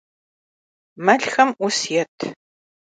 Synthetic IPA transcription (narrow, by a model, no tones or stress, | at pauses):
mɐɬxɐmʔʷʊsjɛtʰ